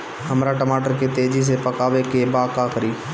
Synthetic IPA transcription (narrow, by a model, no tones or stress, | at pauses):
ɦəmɾaʈəmaːʈəɾket̪eːd͡ʒis̬epəkaːʋekebaːkakəɾiː